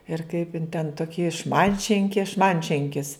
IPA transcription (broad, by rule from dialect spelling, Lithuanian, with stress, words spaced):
ɪr kɐɪp ɪn tʲɛn ˈtoːkʲɪ ˈʃmɐnʲtʲʃʲɪŋʲkʲɪ ˈʃmɐnʲtʲʃʲɛŋʲkʲɪs